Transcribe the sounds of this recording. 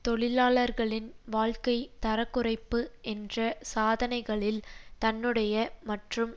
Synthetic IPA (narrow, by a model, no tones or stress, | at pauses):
t̪ɔɭɪlaːɭɐɾɣɐɭɪnʋaːɻkɐɪt̪ɐɾɐkːʊrɐɪpːɯʔɛndrɐsaːðɐnɐɪɣɐɭɪlt̪ɐnːɯɽɐjɐmɐʈrɯm